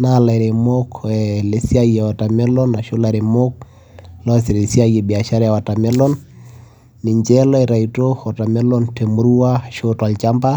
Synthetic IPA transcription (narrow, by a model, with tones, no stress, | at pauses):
na˦˨la˨ɾe˨mo˦kɛle˨˦si˦a˦je˨wa˨ta˨mɛ˦lɔ˦na˨ʃo˦la˨ɾe˨mo˦k̚ | lɔ˦si˨ɾe˨si˦a˦je˨bi˨a˨ʃa˦ɾa˦ja˨wa˨ta˨mɛ˦lɔ˦nː | i˨ɲd͡ʒɛ˦lɔ˦ɛ˨ɾa˨ito˦hɔ˨ta˨mɛ˦lɔ˦nte˨mu˦ɾu˦wa˦˨ʃo˦twa˨lt͡ʃa˦mba˦